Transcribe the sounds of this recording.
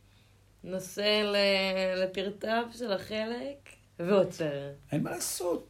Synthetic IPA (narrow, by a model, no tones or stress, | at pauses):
noselelepiʁt̪avʃe̞laχe̞lek | veot͡seʁenmalasot̪̚